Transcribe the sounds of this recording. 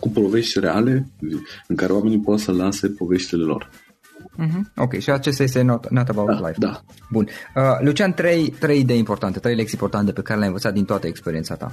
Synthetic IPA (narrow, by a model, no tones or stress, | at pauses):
kupo̞ve̞ʃt̪ʲreale̞iɨŋkaɾeoame̞nipot̪səlase̞po̞ve̞ʃt̪ile̞lo̞̰r | m̩ɦ̩okʲe̞jʃiat͡ʃes̬t̪aje̞s̬t̪enot̪nat̪əbaw̪la̰jfd̪a | bunəlut͡ʃiant̪ɾe̞jt̪ɾe̞jid̪e̞jimpo̞rt̪ant̪e̞t̪ɾejlekt̪simpo̞rt̪ant̪e̞pe̞kaɾelʲeajɨ̃nvət̪sat̪d̪int̪oat̪əekspeɾiet̪sat̪a̰